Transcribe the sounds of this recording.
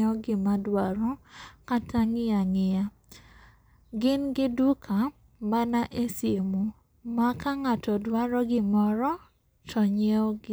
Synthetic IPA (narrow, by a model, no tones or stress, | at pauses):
ɔɡɪmadwaɾɔkatʰaŋɪaŋɪja | ɡɪnɡɪdukʰa | manaʔesjemo | makaŋatɔdwaɾɔɡɪmɔɾɔ | tɔɲeɔɡɪ